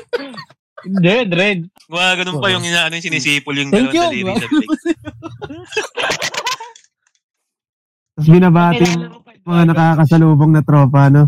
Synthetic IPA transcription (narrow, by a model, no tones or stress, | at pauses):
ɪnd̪ɛd̪ɾɛd̪̚ | ɐɡɐnonpɐjʊŋaɐnojsɪniːsiːpʊljʊŋɛŋkjud̪ɪba | t̪ɐs̬bɪnɐbaːt̪ɪjʊŋ | mɐŋanɐkakɐsɐluːboŋnɐt̪ɾoːpɐɐno